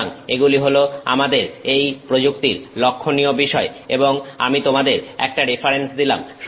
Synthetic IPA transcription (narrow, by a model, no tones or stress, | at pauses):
ŋeɡuliɦoloa̰mad̪eɾejpɾod͡ʑuk̚t̪iɾlokʰːoniobiʃɔeḛboŋa̰mit̪omad̪eɾɛ̰k̚ʈaɾipʰaɾensd̪ila̰mʃ